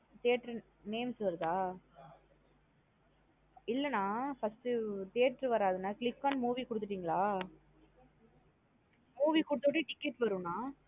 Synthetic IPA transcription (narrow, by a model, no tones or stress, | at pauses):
t̪eːʈɾɯ | neːmsʋɐɾt̪aː | ɪlːɐnːaːfɐsʈɯt̪eːɾʈɾɯʋɐɾaːðɯnːaːklɪkːaːnmuːʋikʊɽɯt̪ːɯʈːiːŋɡɐɭaː | muːʋikʊɽɯt̪ːoʈ̬ːiʈɪkːɛʈːʋɐɾɯ̃naː